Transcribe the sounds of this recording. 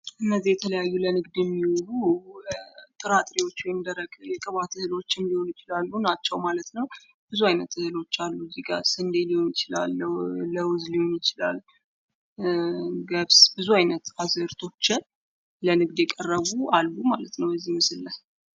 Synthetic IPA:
ʔɨnːəzːihjɛt̪ʰələjajːulənɨɡd̪jɛmːiwulu | t̪ʼɨɾat̪ʼɾiwo̞t͡ʃːwejnd̪əɾəɡjɛkʼəβat̪ʰɨhɨlo̞t͡ʃːɨnd̪iho̞njɪt͡ʃɪlalːunat͡ʃːɛwmalət̪nəw | b̥ɨzuajnət̪ːɨhɨlo̞t͡ʃːalːuziɡʼa̰sɨnd̪eliho̞njɪt͡ʃɪla̰lːəwzliho̞njɪt͡ʃɪla̰l | ɡəβsbɨzuajnət̪azəɾt̪ʰo̞t͡ʃːɪ | lənɨɡd̪jɛkʼərːəβualːumalət̪nəwbəzːihmɨsɨlːəh

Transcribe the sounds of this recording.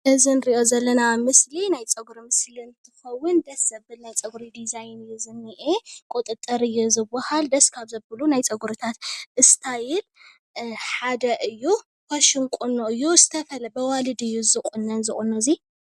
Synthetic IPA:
ʔɨzɨnɾiʔo̞zɐlːɐnamɨslinajt͡sʼɐɡuɾimɨslint̪ʰɨxɐwːʊnd̪ɐsɐbɨlnajt͡sʼɐɡuɾid̪izajnɨjːuzɨnːiʔekʼot̪ʼɨt̪ʼːɐɾɨjːozɨbːɐhald̪ɐskʰaβzɐbɨlunajt͡sʼɐɡuɾɨt̪ʰat̪ʔɨst̪ʰajɪl | ħad̪ɐʔɨjːu | kʰaʃɪnkʼunːoʔɨjːuzɨt̪ʰɐfɐlɐbɐwalɨd̪ɨjːuzɨkʼunːɐnzɨχʼunːozi

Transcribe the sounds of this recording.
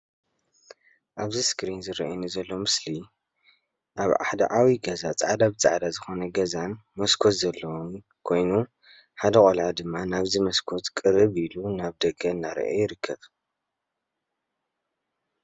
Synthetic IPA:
ʔaβziskɾinzɨɾiʔɐnɨzɐlːo̞mɨsli | ʔaβa̰ħd̪ɐ̰ʕawiɡɐzat͡sʼaʕad̪abɨt͡sʼʕd̪azɨxo̞nɐɡɐzanmɐskʰo̞t̪zɐlːɐwom | kʰo̞jnu | ħad̪ɐkʼolʕad̪ɨmːanaβzimɐskʰo̞t̪kʼɨɾɨβilunaβd̪ɐɡɐɨnːaɾ̰ʔo̰jɪɾɨkʰːɐβ

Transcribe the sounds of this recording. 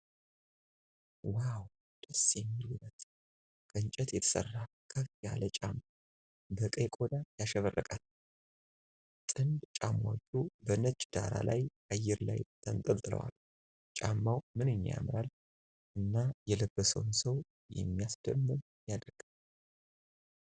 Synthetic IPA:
waw | d̪̥əsjɛmːilunət̪ | kʼɨɨnt͡ʃʼɛt̪jɛt̪ʰə̥sə̰rːa | kʰəfijalət͡ʃʼamːa | bəkʼəkʼod̪ajaʃɛβərːəkʼal | t̪ʼɨnd̪t͡ʃʼamod͡ʒʼubənət͡ʃʼd̪̥a̰ɾa̰lajʔajːɛɾlajt̪ʰənt̪ʼəlt̪ʼɨlə̰wa̰l | t͡ʃʼamːawmɨnɨɲːja̰mɾal | ʔɨnːajɛləbːəsə̰wnsəw | jɛ̰mːijasd̪əmːɨn | jad̪ɾɡ̥ɨm

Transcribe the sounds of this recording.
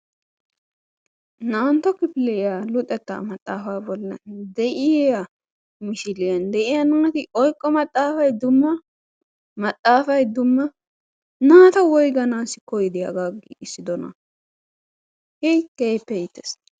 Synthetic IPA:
naːnt̪ɔkɪpɪlɛʔɪjalʊt̪ʼːɛt̪ːa̰mɐt̪ʼːaːfaːbɔlːɐ̰nd̪ɛʔɪjjɐ | mɪʃɪlɪjɐnd̪ɛʔɪjɐnaːɐt̪ɪʔɔjkʼːɔmɐt̪ʼːaːfɐjd̪ʊmːɐ | mɐt̪ʼːaːfɐjd̪ʊmːɐ | naːt̪ɐwɔjɡɐnaːsɪkɔjd̪ɪjɐ̰ɡaːɡɪ̰ɪsːɪd̪ɔnɐ̰ | hɛjkːejpːɛjɪt̪ːɛs

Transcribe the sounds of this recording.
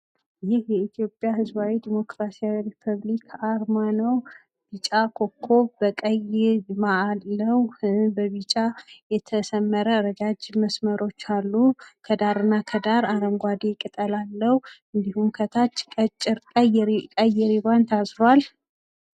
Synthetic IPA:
jɪhjɛit̪ʰijo̞pʼːjahɨzbawid̪imo̞kɾasiawiɾipʰəβlikʰaɾmanəw | b̥it͡ʃʼakʰo̞kʰːo̞βbəkʼəjɪɾmalːəwbəβit͡ʃʼajɛt̪ʰəsəmːəɾəːɾəd͡ʒad͡ʒməsməɾo̞t͡ʃːalːukʰəd̪aɾɨnːakʰəd̪aɾaɾəmɡʷad̪ikʼɨt̪ʼəlalːəhuɨnd̪ihumkʰət̪ʰat͡ʃːkʼət͡ʃʼːɪɾkʼəjɛɾkʼəjɛɾiβant̪ʰasɾwal

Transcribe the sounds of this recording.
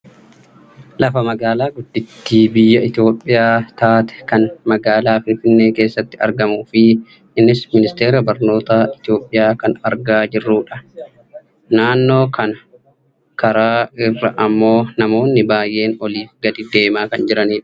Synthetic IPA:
lɐfɐmɐɡaːlaːɡʊd̪ːɪt̪ːiːbɪjːɐɪt̪ɪjo̞ːpʼːɪjaːt̪aːt̪ɛ̥kɐnmɐɡaːlaːfɪnfɪnːe̞ːke̞ːsːɐt̪ːɪɐ̰ɾɡɐmuːfɪ | ʔɪnːɪsmɪnɪst̪e̞ːɾɐbɐɾno̞ːt̪aɪt̪ɪjo̞ːpʼːɪjaːkɐnɐɾɡaːd͡ʒɪrːuːᶑɐ | naːnːo̞ːkʰɐnɐ | kʰɐɾaːɪrːɐʔɐmːo̞ːnɐmo̞ːnːɪbaːjʔːe̞ːnɔliːfɡɐd̪ɪd̪e̞ːmaːkɐnd͡ʒɪɾɐniːᶑɐ̥

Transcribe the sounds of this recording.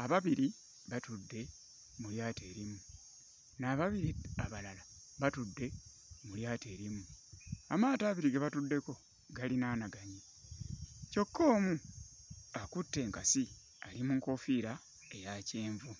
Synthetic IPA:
aβaβiɾi | βatudːe̞ | muljaːte̞ːɾimu | naːβaβiɾiaβalala | βatudːe̞ | muljaːte̞ːɾimuamaːtaːβiɾiɡeβatudːe̞ko̞ | ɡalinaːnaɡaɲe | co̞kːo̞ːmu | akutːe̞ːŋkasi | alimuŋko̞fiɾa | e̞jaceːɱvu

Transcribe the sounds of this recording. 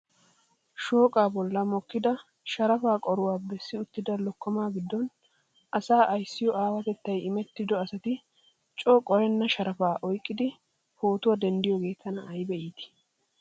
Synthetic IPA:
ʃoːkʼaːbɔlːɐmɔkːɪd̪ɐ | ʃɐɾɐfaːkʼɔɾʊwaːbɛsːɪʊt̪ːɪd̪ɐlɔkːɔmaːɡɪd̪ːɔn | ʔɐsaːʔɐjsːɪjɔʔaːwɐt̪ɛt̪ːɐjɪmɛt̪ːɪd̪ɔɐsɐt̪ɪ | t͡ʃʼɔːkʼɔɾɛnːɐʃɐɾɐfaːʔɔjkʼːɪd̪ɪ | ho̞ːt̪ʊwɐd̪ɛnd̪ɪjɔɡe̞ːt̪ʰːɐnɐːjbɛʔiːt̪ɪ̥

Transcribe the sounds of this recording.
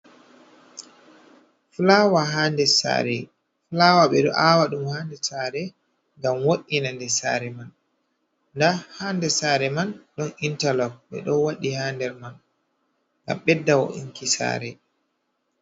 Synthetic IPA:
flawaɦaːndɛsa̰ːɾɛ | flawaɓɛɗɔʔawaɗumhaːndɛsaɾɛ | ŋɡamwoɗinandɛsa̰ːɾɛman | ndahaːndɛsaɾɛmanɗɔnintalɔk̚ɓɛ̰ɗɔwaɗihaːndɛɾman | ŋɡa̰mɓɛdːawɔ̰ʔḭŋkisa̰ːɾɛ

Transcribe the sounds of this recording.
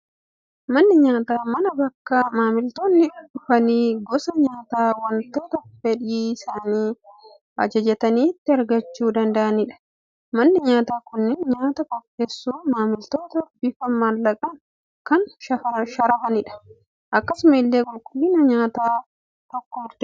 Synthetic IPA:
mɐnːɪɲaːt̪aːmɐnɐbɐkːɐmaːmɪlt̪oːnːɪʊᶑʊfɐniːɡɔsɐɲaːt̪aːwɐnt̪o̞ːt̪ɐfɛᶑiːɪsaːniː | ʔɐ̰d͡ʒɐd͡ʒɐt̪ɐniːt̪ːɪɐɾɡɐt͡ʃːuːd̪ɐnd̪ɐʔɐnɪᶑɐ̥ | mɐnːɪɲaːt̪aːkʊnːɪnɲaːt̪ɐkɔpːeːsːuːmaːmɪlt̪o̞ːt̪ɐbɪfɐmːalːɐkʼɐn | kɐnʃɐɐʃɐɾɐfɐnɪᶑɐ̥ | ʔɐkːɐsʊmilːeːɡʊlkʼʊlinɐɲaːt̪aː | t̪ɔkːɔʊɾd̪ɛ

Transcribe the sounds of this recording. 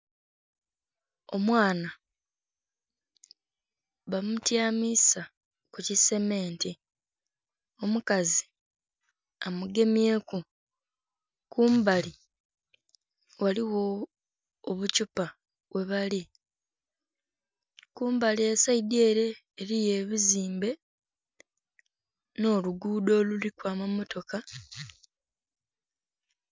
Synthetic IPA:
o̞mwaːna | βamutjaːmisa | kucise̞me̞ːnti | o̞mukazi | amuɡe̞mje̞ːku | kuːmbali | waliwo̞ː | βucupa | we̞βali | kuːmbaliesaideːɾe̞ː | ɾije̞ːβiziːmbe̞ | no̞ːluɡuːdo̞ːlulikwaːmamo̞to̞ka

